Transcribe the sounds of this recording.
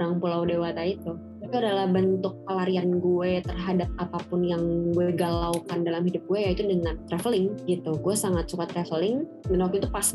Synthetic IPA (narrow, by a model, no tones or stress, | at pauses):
ɾaŋpulawdewat̪ait̪u | tapiadalahbənt̪ʊk̚pəlaɾianɡuɛt̪ərɦadap̚apapʊnjaŋɡuɛɡalawkandalamhidʊp̚ɡ̥uɛjait̪udəŋant̪ɾɛfəlɪŋɡit̪uɡuɛsaŋat̪̚sukat̪ɾɛfəlɪŋ | mənokit̪upas